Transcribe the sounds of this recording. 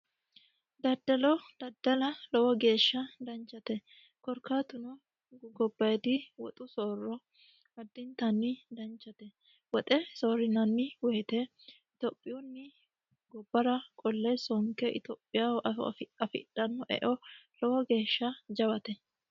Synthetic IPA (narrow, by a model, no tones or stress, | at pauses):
d̪ɐd̪ːɐlɔd̪̥ɐd̪ːɐlɐlɔwɔɡe̞ːʃːɐd̪ɐnt͡ʃːɐt̪ɛ | kɔɾkat̪ʊnɔ | ɡɔbːɐjd̪ɪwɔ̰t̪ʼʊsoːrːɔ | ɐd̪ːɪnt̪ɐnːɪd̪ɐnt͡ʃːɐt̪ɛ | wɔt̪ʼɛsoːɾɪnɐnːɪwɛjt̪ɛ | ɪt̪opʼːɪjunːɪ | ɡɔbːɐɾɐkʼɔlːɛsɔŋkɛʔɪ̰t̪oːpʼːɪjaʔɐ̰ɐfɪ̰ᶑɐnːɔʔɛ̰ʔɔlɔwɔɡe̞ːʃːɐd͡ʒɐbɐt̪ɛ